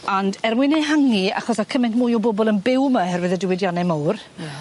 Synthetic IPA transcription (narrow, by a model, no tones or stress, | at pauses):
andɛrmwɪnɛɦaŋia̰χɔsakʰəmɛntmuːjɔbɔbɔlˠənbɪwmahɛrvɪðədɪwɪdjɔnɛmɔwr